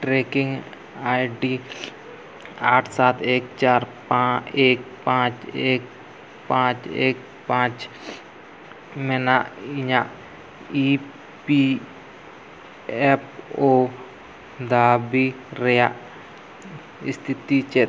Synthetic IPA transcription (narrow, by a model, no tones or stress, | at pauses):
ʈɾeːkɪ̃ŋɡ | aːjɖi | aːʈʰsaːt̪ʰeːkt͡ʃaːɾpãeːk̚pãːt͡ʃeːk̚ | pãːt͡ʃḛːk̚ | pãːt͡ʃ | menaɪɲã | i | pi | epʰoː | d̪aːbi | ɾeja | ɪ̰st̪ʰɪt̪it͡ʃe